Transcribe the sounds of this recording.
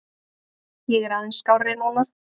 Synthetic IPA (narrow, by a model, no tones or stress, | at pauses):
jɛɣɛɾaðɛnskawrenɔnaɾ̥